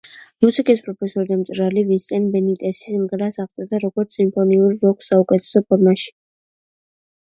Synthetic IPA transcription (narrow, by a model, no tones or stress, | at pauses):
musikʼispʼɾɔpʰɛsɔɾid̪amt̪sʼɾalivissʼɛnbɛnit̪ʼɛsismʁɾasaʁt̪sʼad̪aɾɔɡɔɾt̪sʰimpʰɔniuɾɾɔkʰsːaukʼɛt̪ʰɛ̥sɔpʰɔɾmaʃi̥